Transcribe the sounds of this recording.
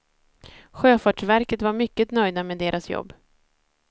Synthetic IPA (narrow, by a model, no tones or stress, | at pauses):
ɧøːfɑːʈʂvæɾkət̪vaɾmʏkːət̪nœjd̪ameːd̪eːɾʔasjɔ̰bː